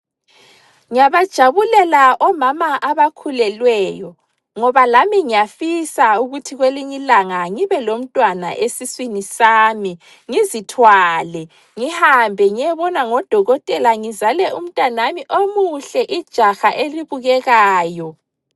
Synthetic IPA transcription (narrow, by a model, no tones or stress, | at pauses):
ŋijaβad̥ʒ̥ʱaβulɛlaʔɔmamaʔaβakʰulɛlwɛːjɔ | ŋɔβalamiŋijafisauɣutʰiɣweliɲilaŋaŋiβɛlom̩tʼwana̰ʔesiswinisaːmi | ŋizitʰwalɛ | ŋihambʱɛŋijɛβɔnaŋɔd̥ʱɔɣɔtʼɛlaŋizalɛum̩tʼwanamiʔomuɬɛʔid̥ʒ̥ʱaxaʔeliβuɣɛɣaːjɔ